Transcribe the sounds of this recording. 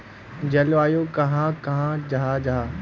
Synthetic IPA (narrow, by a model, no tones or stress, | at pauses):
d͡ʒɐlaːjokɐɦãkɐɦãd͡ʒaad͡ʒaː